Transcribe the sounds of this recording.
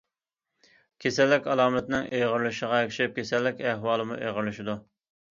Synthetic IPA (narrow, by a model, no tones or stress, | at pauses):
kʲʰesɛlːɪkʲɑlˠɑːmɛt̪nɪŋejʁəɾlɨʃəʁɑekʲʃɛp̚kʲʰesɛlːɪkʲæhwɑːlˠɨmṵʔejʁəɾlɨʃɪd̪u